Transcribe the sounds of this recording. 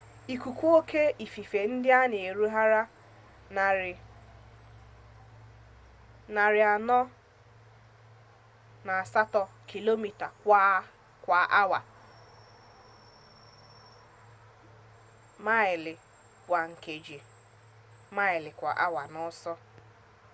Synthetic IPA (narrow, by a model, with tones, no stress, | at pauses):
i˨ku˨kʷu˦o˦kʰe˦i˨fi˨fe˨n̩˦dɪ˦a˦nɪ˨e˨ɾu˦ɦa˦ɾa˦˨ | na˨ɾɪ˨a˨nɔ˦ | na˨a˨sa˦tɔ˨kʰi˨lo˦mi˨ta˨kʷa˦ | kʷa˨ʔa˦wa˨ | ma˦ɪ˨lɪ˨ | kʷa˨ŋ̩˨ke˨d͡ʒi˨ | ma˦ɪ˨lɪ˨kʷa̰˨ʔa̰˦wa˨nɔ˦sɔ˦